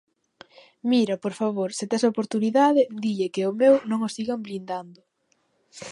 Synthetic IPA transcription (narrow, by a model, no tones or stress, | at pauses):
miɾapoɾfaβoɾsɪt̪ɛsaopoɾt̪uniðaðɪd̪iʎekɪʊmewnõŋosiɣamblind̪and̪ʊ